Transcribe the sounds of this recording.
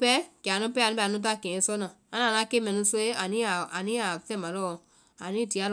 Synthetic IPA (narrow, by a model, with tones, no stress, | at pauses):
pɛ˦kɛ˨a˨nũ˦pɛ˦a˨nũ˦ɛ˨nũ˦t̬a˦˨kɛ̃˨˦sɔ˦nã˨ã˦nã˨nã˨˦ke˦mɛ̃˨nũ˧˦so˦e˦a˨nĩ˦a˨a˨nĩ˦a˨fɛ̃˦mã˨lɔ˦˨ | a˨nĩ˦ti˨a˦l